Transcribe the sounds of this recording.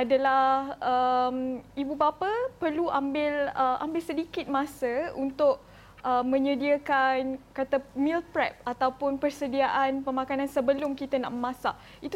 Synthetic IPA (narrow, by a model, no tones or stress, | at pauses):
adalahəmibubapapərluʔambɪləʔa̰mbɪlsədikɪt̪̚mãsəunt̪ʊʔ | əmə̃ɲə̃diakankat̪amilpɾɛp̚at̪awpʊnpərsədiaʔanpəmãkanãnsəbəlʊmkit̪əna̰ʔməmãsaʔ | it̪